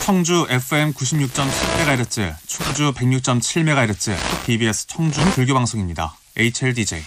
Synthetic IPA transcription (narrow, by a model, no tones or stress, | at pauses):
t͡ɕʰʌŋd͡ʑuʔe̞pʰɯe̞mkuɕʰimɲuk̚t͡ɕ͈ʌmt͡ɕʰiɭme̞ɡajɾet͡ɕ͈ɯ̰t͡ɕʰʌŋd͡ʑupe̞ŋɲuk̚t͡ɕ͈ʌmt͡ɕʰiɭme̞ɡajɾet͡ɕ͈ɯ̰kʰɯk̚pibie̞s͈ʰɯ̥t͡ɕʰʌŋd͡ʑunɯtuɭɡjobaŋsʰoŋimɲida̰ | eit͡ɕʰeɭdid͡ʑḛi